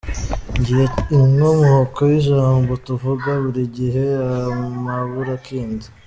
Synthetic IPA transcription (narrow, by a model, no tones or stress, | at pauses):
ɲɟiheiŋomuhokojiʒaːmbotuvuɡaβuɾiɟiɦeamaβuɾakiːndi